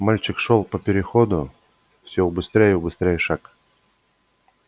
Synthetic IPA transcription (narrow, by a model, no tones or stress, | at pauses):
malʲt͡ɕɪkʂolˠpəpʲɪɾʲɪxod̪ʊ | fsʲobɨst̪ɾʲejəʊbɨst̪ɾʲejəʂak